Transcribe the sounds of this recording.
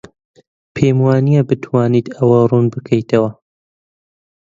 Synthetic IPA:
pʰeːmwaːnijabɨt̪ʰwaːnit̪ʰɐwɐruːnbɨkʰɐjt̪ʰɐwɐ

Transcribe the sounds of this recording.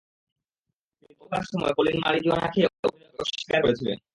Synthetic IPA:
ipokaɾʃɔmɔekolenmaɾid͡ʑuanakʰeo̰ | oʃi̥kaɾkoɾet͡ɕʰilḛn

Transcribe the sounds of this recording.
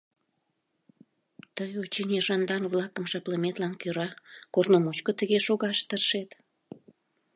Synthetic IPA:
t̪əjot͡ɕinʲeʒɑnd̪ɑnβlɑkəmʃɑpləmet̪lɑnkøɾɑkornomot͡ɕkot̪əɣeʃoɣɑʃt̪ərʃet̪

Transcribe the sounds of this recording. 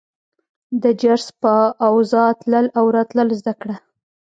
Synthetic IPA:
d̪əd͡ʒaɾspəawzɑt̪ləlawɾɑt̪ləlzd̪akɽa

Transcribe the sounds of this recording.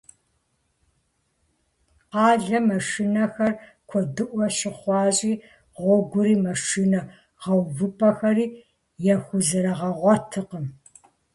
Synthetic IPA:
qɑːɮɐmɐʂinɐxɐr | kʷʰɔdɨʔʷɔɕɪχʷɑːɕʼiː | ʁʷɔɡʷʊɾiːmɐʂiːnɐ | ʁɐwvɨpʰʼɐxɐɾiː | jɛxʷʊzɨɾɐʁɐʁʷɔtʰɨqəm

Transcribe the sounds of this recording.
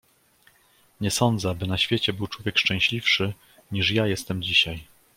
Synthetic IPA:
ɲɛsɔnd̪zɛabɘnaɕfʲjet͡ɕɛbɘwt͡ʂwɔvʲjɛkʂt͡ʂɛ̃w̃ɕlʲifʂɘ | ɲiʂjajɛst̪ɛmd͡ʑiɕaj

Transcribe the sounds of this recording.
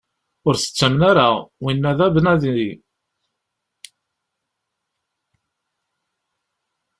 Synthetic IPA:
ʊɾθə̥t͡sːæmnaɾawinːæðæbənæðii

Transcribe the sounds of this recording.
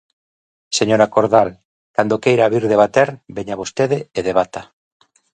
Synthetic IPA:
seɲoɾakoɾðal | kand̪okejɾaβiɾðeβat̪eɾbeɲaβ̞ost̪eðeeðeβ̞at̪a

